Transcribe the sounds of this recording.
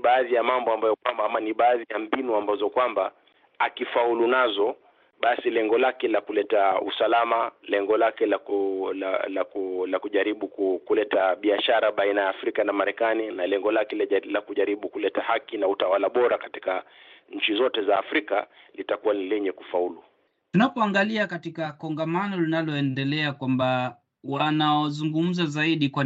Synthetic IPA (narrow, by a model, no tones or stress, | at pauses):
ɓaːðijamambɔambajɔkwammaniɓaːðijambinuambazɔkwamba | akifaulunazɔ | ɓasilɛŋɡɔlakɛlakulɛtaṵsalamalɛŋɡɔlakɛlalalakulakuʄaɾiɓukukulɛtaɓiaʃaɾaɓainajaːfɾikanamaɾɛkaninalɛŋɡɔlakɛllakuʄaɾiɓukulɛtahakinautawalaɓɔɾakati̥kaɲ̩t͡ʃizɔtɛzaːfɾika | litakuwaniliɲɛkufaulu | tunapɔaŋɡaliakatikakɔŋɡamanɔlinalɔɛndɛlɛakwamba | wanaɔzuŋɡum̩zazaiɗikwa